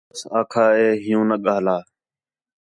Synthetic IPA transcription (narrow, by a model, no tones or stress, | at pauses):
saːkʰaːɦeːɦɪjũːnəɠaːlaː